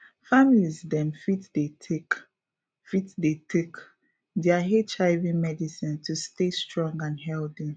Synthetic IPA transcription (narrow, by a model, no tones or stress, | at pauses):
familizdɛ̃mfitdetʰek | fitdetʰek | deaɦet͡ʃaɪvimɛdisĩntustestɹɔ̃ŋɡãnɦɛldi